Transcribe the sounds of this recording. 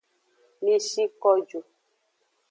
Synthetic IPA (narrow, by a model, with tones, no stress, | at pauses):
mi˦ʃi˦kɔ˦d͡ʒo˨